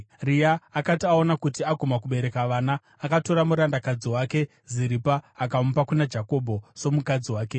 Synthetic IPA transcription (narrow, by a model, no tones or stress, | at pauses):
rijaːkatiao̞nakutiaɡʱomakuɓe̞ɾe̞kaʋaːnaː | kato̞ɾamuɾandakad͡ziwaːke̞ | ziɾipaːkaupakunad͡ʒako̞bʱo̞so̞mukad͡ziwaːke̞